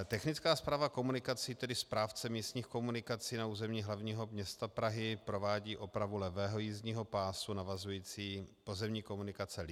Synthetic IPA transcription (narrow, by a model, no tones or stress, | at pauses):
t̪ɛxnɪt͡skaːspɾaːvako̞munɪkat͡siːt̪ɛdɪspɾaːft͡sɛmiːst̪ɲiːxko̞munɪkat͡siːnauːzɛmɲiːɦlavɲiːɦo̞mɲɛst̪apɾaɦɪpɾo̞vaːɟiːʔo̞pɾavulɛvɛːɦojiːzɲiːɦo̞paːsunavazujiːt͡siːpozɛmɲiːko̞munɪkat͡sɛlɪ